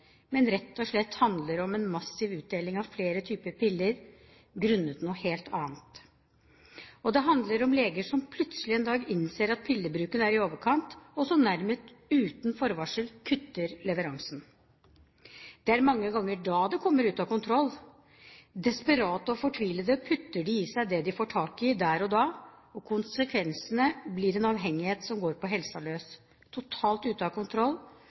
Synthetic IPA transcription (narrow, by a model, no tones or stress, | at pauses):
mɛnɾɛt̪ːɔʂɭɛt̪ːhɑnd̪ləɾɔmɛnmɑsːɪʋʉːt̪̚d̪eːlɪŋɑʋfleːɾət̪ʰyːpəpɪlːəɾ | ɡɾʉnːət̪nuːheːlt̪ʰɑːnt̪ | ɔd̪ɛɦɑnd̪ləɾɔmleːɡəʂɔmpʰlʉt̪səlɪɛnd̪ɑːɡɪnseːɾɑt̪̚pʰɪlːəbɾʉːkənæɾɪoːʋəɾkʰɑnt̪ɔsɔnæɾməst̪ʉːt̪n̩fɔɾʋɑʂəlkʰʉt̪ːəɾlɛʋəɾɑŋsn̩ | d̪̥ɛæɾmɑŋːəɡɑŋːəɖɑːd̪ɛkʰɔmːəɾʉːt̪ɑkʊnt̪ʰɾɔlː | d̪ɛspəɾɑːt̪əɔfɔʈʰʋiːləd̪əpʰʉt̪ːəɖɪiːsæɪd̪ɛd̪ɪfoːʈʰɑːkɪd̪æːɾɔd̪ɑː | ɔkʰʊnsəkʰʋɛnsənəblɪɾɛnɑʋɦɛŋːɪheːt̪sɔmɡoːɾpɔɦɛlsɑløːs | t̪ʰːʊt̪ʰɑːlt̪ʉːt̪əɑkʊnt̪ʰɾɔlː